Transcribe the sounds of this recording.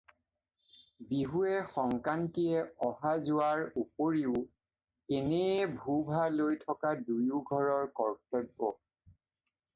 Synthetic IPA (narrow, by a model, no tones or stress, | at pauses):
biɦuɛxɔŋkantiɛɔhazʊaɹupoɹiʊ | ɛnɛbʱubʱalojtʰɔkadujuɡʱɔɹɔɹkɔɹktɔɡɔ